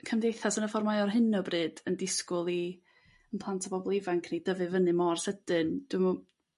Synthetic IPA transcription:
kʰəmdejθasənəfɔrmajɔrɦɨnɔbrɨːd̥əndɪskʊlˠi | ənpʰlˠantʰapʰɔbɔlˠɪvaŋkʰnid̥əvɨvənɨmɔrsəd̥ɨnd̥wmɔ

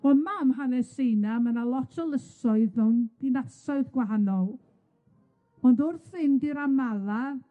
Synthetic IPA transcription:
ɔnmamɦanɛsejnamənalˠɔtʰɔlˠəsɔɨðɔnd̥inasɔɨðɡwaɦanɔlˠ | ɔndʊrθɨndiɾamalˠa

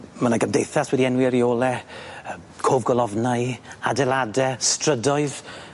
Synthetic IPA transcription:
mənaɡəmdejθaswɛdiɛnwiəɾioːlˠɛ | kʰoːvɡɔlˠɔvnajadɛladɛstrədɔɨð

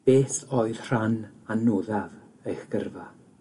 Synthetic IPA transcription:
b̥eːθoɨð̥r̥ananːuːðav | ejχɡ̥ə̰rva

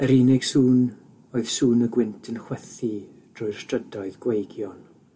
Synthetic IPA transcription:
əɾinɪɡ̥suːn | oɨð̥suːnəɡwɪntʰənχwɛθi | d̥rʊjr̥stʰrədɔɨðɡwejɡjɔn

